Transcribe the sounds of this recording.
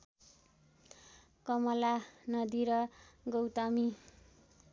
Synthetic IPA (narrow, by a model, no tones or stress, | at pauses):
kʌmʌlanʌd̪iɾʌɡʌwt̪ʌmi